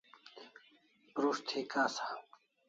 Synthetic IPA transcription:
ɾuʂt̪ʰikaːsḁː

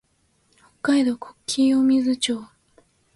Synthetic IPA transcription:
hokːaid̪o̞kʰo̥kʲʰːiːomʲizɨt͡ɕoː

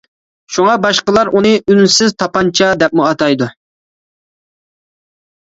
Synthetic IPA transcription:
ʃuŋɑbɑʃqəlˠɑɾʔunɨʔynsɪzt̪ʰɑpɑnt͡ʃʰɑd̪ɛp̚muɑt̪ɑjd̪u

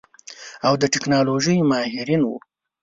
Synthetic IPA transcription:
awd̪əʈɪknɑloʒəjmɑhɪɾinwṵ

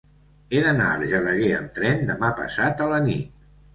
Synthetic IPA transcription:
eðəna̰əɾʒələɣeə̰nt̪ɾɛnd̪əmapə̰sat̪ələnḭt̪̚

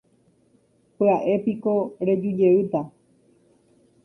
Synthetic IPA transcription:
peaʔe̞piko̞ɾe̞d͡ʒud͡ʒe̞ɨt̪a

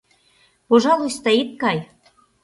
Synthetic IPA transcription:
poʒɑlujsst̪ɑit̪̚kɑj

